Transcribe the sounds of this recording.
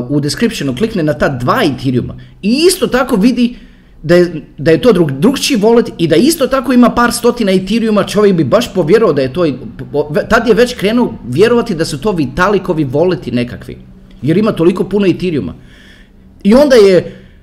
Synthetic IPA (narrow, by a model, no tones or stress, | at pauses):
ud̪eskɾipʃenukliknenat̪aːd̪ʋaːit̪iɾiṵma̰iist̪o̞t̪ako̞ʋid̪i | d̪ajed̪ajet̪o̞ːɾud̪ɾuɡt͡ʃiʋo̞let̪id̪aist̪o̞t̪ako̞imapaːɾst̪o̞t̪inait̪iɾiumat͡ʃo̞ʋjekbibaʃpo̞ʋje̞ɾuad̪ajet̪oːipʋt̪ad̪jeʋe̞t͡ɕkɾeːnuʋje̞ɾoʋat̪id̪asut̪o̞ːʋit̪alikoʋiʋo̞let̪ine̞kakʋḭ | je̞ɾimat̪o̞liko̞punoit̪iɾiṵma̰ | io̞nd̪aje